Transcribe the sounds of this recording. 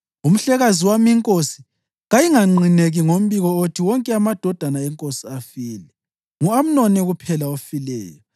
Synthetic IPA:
um̩ɬɛɣaziwamiŋkʼosi̥ | ɣajiŋaŋ͡ǀʱineɣiŋom̩βiɣɔotʰiwɔŋkʼɛamad̥ʱɔd̥ʱanaɛŋkʼosiafiːlɛ | ŋuam̩nɔnɛɣupʰɛlaofilɛ̰ːjɔ

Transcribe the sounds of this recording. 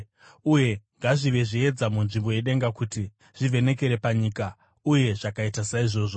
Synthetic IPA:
uje̞ŋɡaʐiʋe̞ʐie̞d͡zamunʐimbo̞je̞ɗe̞ŋɡakuti | ʐ̥ive̞ne̞ke̞ɾe̞paɲiːka | uje̞ʐakaitasaiʐo̞ːʐo

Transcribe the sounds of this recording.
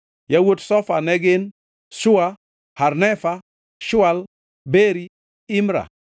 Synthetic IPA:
jawotsɔfanɛɡɪn | ʃʊa | harnɛfa | ʃʊal | beɾi | ɪmɾa̰

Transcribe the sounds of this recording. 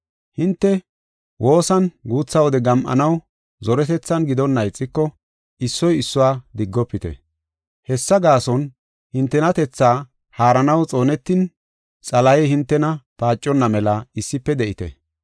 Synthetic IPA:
hɪnt̪ːɛ | wʔo̞ːsɐnɡuːt͡sːɐwɔd̪ɛɡɐmʔɐ̰nɐw | zɔɾɛt̪ɛt͡sːɐnɡɪd̪ɔnːɐjt͡sʼːɪkːɔ | ɪsːɔjɪsːʊwaːd̪ɪɡːɔpːɪt̪ɛ̰ | hɛsːɐɡaːsɔn | hɪnt̪ːɛnɐt̪ɛt͡sːaː | haːɾɐnɐwt͡sʼo̞ːnɛt̪ːɪn | t͡sʼɐlɐjɛhɪnt̪ːɛnɐpaːt͡ʃʼːɔnːɐmɛlɐɪsːɪpːɛd̪ɛʔɪt̪ɛ̰

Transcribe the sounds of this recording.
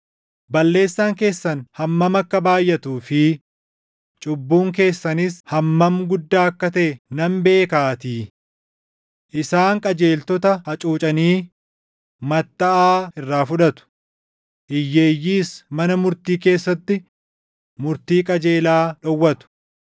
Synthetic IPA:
bɐlːe̞ːsːaːŋke̞ːsːɐnhɐmːɐmɐkːɐbaːjːɐt̪uːfɪ | t͡ʃʼʊbːuːŋk̬e̞ːsːɐnishɐmːɐmɡʊd̪ːaːɐkːɐt̪ɐʔɛnɐmbe̞ːkaːt̪iː | ʔɪsaːŋkʼɐd͡ʒe̞ːlt̪ɔt̪ɐhɐt͡ʃʼuːt͡ʃʼɐniː | mɐt̪ːɐʔaːɪrːaːfʊᶑɐt̪ʊ̥ | ʔɪjːe̞ːjːiːsmɐnɐmʊɾt̪iːke̞ːsːɐt̪ːɪ | mʊɾt̪iːkʼɐd͡ʒe̞ːlaːᶑɔwːɐt̪ʊ̥

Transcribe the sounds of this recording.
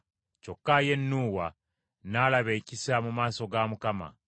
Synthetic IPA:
co̞kːaje̞nːuːwa | nalaβe̞ːcisamumaːso̞ɡamukama̰

